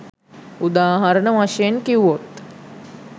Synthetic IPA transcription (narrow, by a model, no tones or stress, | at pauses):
ud̪aːɦɐɾəɳəʋaʃenkiwot̪